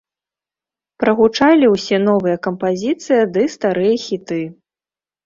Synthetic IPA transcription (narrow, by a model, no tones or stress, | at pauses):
pɾɐɣut͡ʂalʲiwsʲɛn̪ɔvɨjɐkɐmpazʲit̪sɨjɐd̪ɨst̪aɾɨjɐxʲit̪ɨ